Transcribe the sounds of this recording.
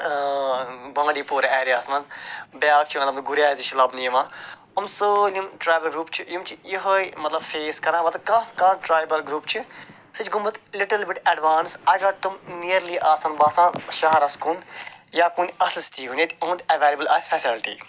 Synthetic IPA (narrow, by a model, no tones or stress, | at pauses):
bɐ̃ːɖiːpuːɾɛːɾiaːsmɐzbjaːk̚t͡ʃʰimɐt̪lɐbnɡuɾjaːziʃilɐbnijɐmãː | umsəːlimʈɾaːjbɐlɡɾuːpt͡ʃʰijimt͡ʃʰijiɦoimɐt̪lɐbfeːskɐɾãːbɐt̪ɐkãkãːʈɾaːjbɐlɡɾuːpt͡ʃʰi | sɨt͡ʃʰɡumət̪lɪʈɐlbɪʈɛɖʋaːnsɐɡɐɾt̪umnijəɾliːʔaːsɐnbaːsãːʃɐɦɐɾɐskunjaːkunɐsist̪iːɦuneːt̪õːnd̪ɐʋeːlʲibəla̰ːsfɛsilʈḭː